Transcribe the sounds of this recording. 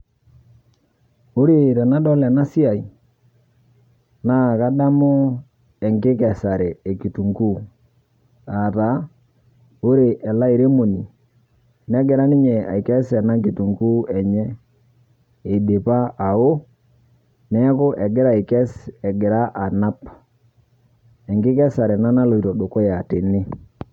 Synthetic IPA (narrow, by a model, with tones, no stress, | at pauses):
o˦ɾe˨ɾɛ˨na˦dɔ˦lɛ˨na˦si˦a˨i˨ | na˦ka˦da˦mʊ˦ | ɛ˨ŋkɪ˦kɛ˨sa˨ɾɛ˨e˨ki˨tu˨ŋɡu˦ | a˨ta˨ | o˦ɾe˨ʔɛ˨la˦i˨ɾe˦mo˨ni˨ | nɛ˦ɡɪ˨ɾa˦nɪ˦ɲɛ˨a̰˨i˨kɛ˦sɛ˨na˦ki˨tu˨ŋɡu˦ɛ˨ɲɛ˦ | e˨de˨pa˦a˨o˦ | nɛ˦kʊ˦ʔɛ˨ɡɪ˦ɾa˦˨i˨kɛ˦sɛ˨ɡɪ˨ɾa˦ʔa˨na˦p | ɛ˨ŋɡɪ˦kɛ˦sa˨ɾɛ˨na˦na˦lo˨i˨to˨do˨ko˦ja˨tɪ˨nɪ˦